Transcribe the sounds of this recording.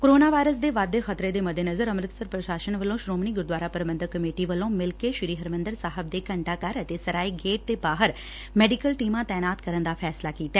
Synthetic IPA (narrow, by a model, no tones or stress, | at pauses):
koɾoːnaːʋaːjɾəsd̪eːʋaːd̪ːexət̪ɾeːd̪eːməd̪ʱenəzəɾəmɾɪt̪səɾpɾəʃaːʃənʋəlõːʃɾoːmniːɡʊɾd̪ʋaːɾaːpəɾəbənd̪əkːəmeːʈiːʋəlõːmɪlkeːʃɪɾiːɦəɾmə̃nd̪əɾsaːɦəb̚d̪eːkəɳʈaːkaɾət̪esəɾaːiːɡeːʈ̚t̪eːbaːɦəɾ | mɛːɖɪkəlʈiːmãːt̪ɛːnaːt̪kəɾənd̪aːpʰɛːslaːkiːt̪aɛː